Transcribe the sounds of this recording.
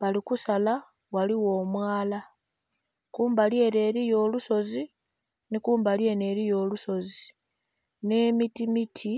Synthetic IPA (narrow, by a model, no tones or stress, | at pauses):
βalikusala | waliwo̞ːmwaːla | kuːmbalje̞ːne̞ːɾijo̞ːluso̞zi | nikuːmbalje̞ːne̞ːɾijo̞ːluso̞zi | ne̞ːmitimitʰi